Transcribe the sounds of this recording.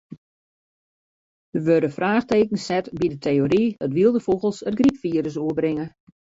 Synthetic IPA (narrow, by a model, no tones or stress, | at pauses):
d̥əʋøɾəfraːxteːkən̩sɛtbidətʰejoɾiətʋiəlˠdəfoɣəlˠsəd̚ɡripfiəɾəs̬oəbrɪŋə